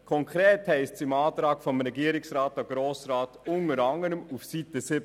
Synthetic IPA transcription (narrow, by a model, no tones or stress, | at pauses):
kʰɔŋkɾɛːthɛɪstsɪmɑːt̪ɾɑːɡ̥fɔmɾɛɡiəɾɪksɾɑːtɑɡ̥ɾoːsɾɑːtʊŋəɾɑŋəɾəmufsitəsɪb